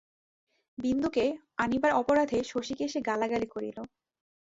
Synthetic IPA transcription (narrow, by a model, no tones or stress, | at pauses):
bind̪uke | anibaɾɔpoɾad̪ʱeʃoʃikeʃeɡalaɡalikoɾḭlo